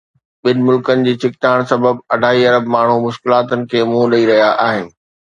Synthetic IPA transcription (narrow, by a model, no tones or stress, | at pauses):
ɓɪnɪ̆mʊlkənɪ̆d͡ʑiːt͡ɕɪk̚t̪aːɽ̃sɐbəbɐɖʱaːiɐɾəbmaːɳ̤umʊʃkɪlaːt̪ənɪ̆kʰeːmulɐiɾɐɦijaʔaːɦɪnɪ̆